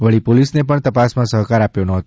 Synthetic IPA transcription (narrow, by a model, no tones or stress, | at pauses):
ʋəɭipolisnepəɳt̪əpasmãsəɦkaɾapjonəɦət̪